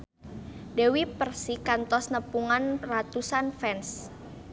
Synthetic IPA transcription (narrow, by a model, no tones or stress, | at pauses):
dewipərsikant̪ɔsnəpuŋanrat̪usanfɛns